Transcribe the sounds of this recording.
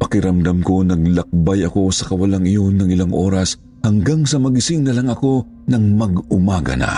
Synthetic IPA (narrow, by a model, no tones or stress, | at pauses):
pɐkɪɾɐmd̪amko̞nɐɡ̚lɐk̚bajɐko̞sɐkɐwɐlaŋɪjo̞nːɐŋɪlaŋʔo̞̰ːɾɐs | hɐŋɡaŋsɐmɐɡɪsɪŋnɐlɐŋɐko̞ | nɐŋmɐɡʊmaːɡɐ̰nɐ̰